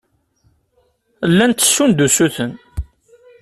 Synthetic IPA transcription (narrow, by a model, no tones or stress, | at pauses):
lːænt̪ːə̥ʃːund̪usuθən